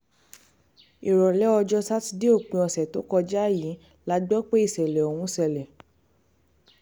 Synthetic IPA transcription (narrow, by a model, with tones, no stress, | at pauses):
i˨ɾɔ˨lɛ˨˦ɔ˧d͡ʒɔ˧ta˦ti˧de˦o˦˨k͡pĩ˧ɔ˨sɛ˨to˨˦kɔ˧d͡ʒa˦˨jĩ˨˦ | la˨˧ɡ͡bɔ˦k͡pe˦i˦˨sɛ˨lɛ˨o˨hũ˧sɛ˨lɛ˨